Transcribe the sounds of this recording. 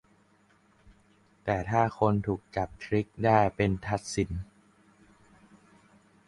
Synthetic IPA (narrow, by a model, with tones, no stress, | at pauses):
t̪ɛː˨˩t̪ʰaː˥˩kʰo˧nt̪ʰuː˨˩k̚t͡ɕa˨˩p̚t̪ʰɾi˦˥k̚daː˥˩jpe˧nt̪ʰa˦˥t̪̚si˩˦n